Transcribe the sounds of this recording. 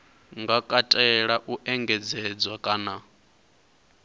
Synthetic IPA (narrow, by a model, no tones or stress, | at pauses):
ŋɡakʼatʼɛɺaʔuʔɛŋɡɛd͡zɛd͡zwakʼana